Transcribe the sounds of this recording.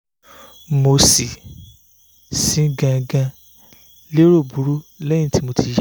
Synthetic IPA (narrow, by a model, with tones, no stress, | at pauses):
mo˧si˨ | sĩ˨˦ɡã˧ɡã˧ | le˦ɾo˦˨bu˨˦ɾu˦lɛ˦jĩ˦ti˦mo˧ti˧j